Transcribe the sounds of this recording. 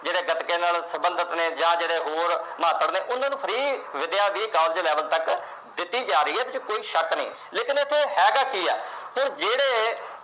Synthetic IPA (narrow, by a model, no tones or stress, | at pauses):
d͡ʒeːɽeːɡət̪kẽːnaːlsəbənd̪ət̪neːd͡ʒãːd͡ʒeːɽeːɦoːɾmaːt̪əɽneːʔʊnːaːnũːpʰəɾiːʋɪd̪ɪjaːd̪iːkãːld͡ʒlɛːʋəlt̪ək | d̪ɪt̪ːiːd͡ʒaːɾəiːɦɛːt̪ɪt͡ʃkoːiːʃəknəḭ̃ː | leːkɪnɪt̪ʰːeːɦɛːɡaːkiːɛ̰ːɦoːɾd͡ʒeːɽeː